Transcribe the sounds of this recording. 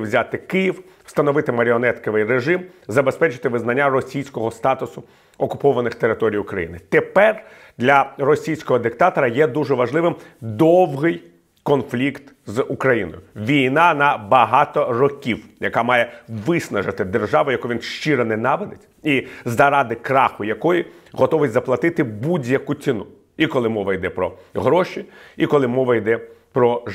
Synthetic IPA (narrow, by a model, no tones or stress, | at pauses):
wzʲat̪ɪkɪjiw | st̪ɐnɔʋɪt̪ɪmɐɾʲɪɔnɛt̪kɔʋɪjreʒɪmzɐbespɛt͡ʃɪt̪ɪʋɪznɐnʲːaɾɔsʲijsʲkɔɦɔst̪ɑt̪ʊsʊ | ɔkʊpɔʋɐnɪxt̪eɾɪt̪ɔɾʲijʊkɾɐjḭnɪt̪epɛr | d̪lʲɐrɔsʲijsʲkɔɦɔd̪ɪkt̪ɑt̪ɔɾɐjɛd̪uʐɛʋɐʒlˠɪʋɪmd̪ɔwɦɪj | kɔnflʲikt̪zʊkɾɐjinɔ̰jʊʋʲijnɑnɐbɐɦɑt̪ɔrɔkʲiwjɐkɑmɑjɛʋɪsnɐʒɐt̪ɪd̪erʒɑʋʊjɐkuʋʲinʃt͡ʃiɾɐnɛnɑʋɪd̪et͡sʲ | izɐɾɑd̪ɪkɾɑxʊjɐkɔjiɦɔt̪ɔʋɪzɐplˠɐt̪ɪt̪ɪbudʲjɐkʊt͡sʲinu | ikɔlˠɪmɔʋɐjd̪ɛpɾɔɦɾɔʃʲiikɔlˠɪmɔʋɐjd̪ɛpɾɔ